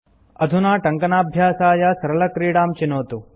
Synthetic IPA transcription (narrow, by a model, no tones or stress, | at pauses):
ɐd̪ʱunaːʈɐŋkɐnaːbʱjaːsaːjɐsɐɾɐlɐkɾiːɽaːmt͡ʃinoːt̪u